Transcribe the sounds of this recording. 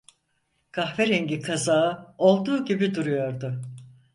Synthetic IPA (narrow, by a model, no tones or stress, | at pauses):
kʰaxveɾeɲɟikʰazaɯo̞lˠd̪uːɟibid̪uɾujo̞ɾd̪ʊ